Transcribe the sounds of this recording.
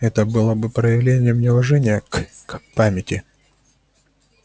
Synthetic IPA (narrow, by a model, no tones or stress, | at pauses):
ɛt̪əbɨlˠəbɨpɾəjɪvlʲenʲɪjəmnʲɪvɐʐɛnʲɪjəkkpamʲɪtʲɪ